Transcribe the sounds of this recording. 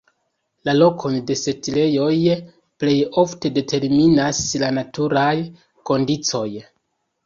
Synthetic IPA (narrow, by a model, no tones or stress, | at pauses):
lalo̞kʰo̞nde̞se̞tile̞jo̞j | ple̞jo̞fte̞de̞tʰe̞ɾminaslanatuɾaj | ko̞ndit͡so̞j